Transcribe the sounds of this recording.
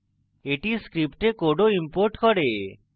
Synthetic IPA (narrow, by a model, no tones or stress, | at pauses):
eʈiskɾipʈekoɖoimpoɾʈkɔɾe